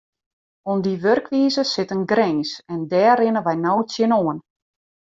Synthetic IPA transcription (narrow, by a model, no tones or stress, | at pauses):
undiʋørkʋiːzəsɪtənɡrɪŋsɛndɛːɾɪnəʋɛjnɔwt͡sjɪnoən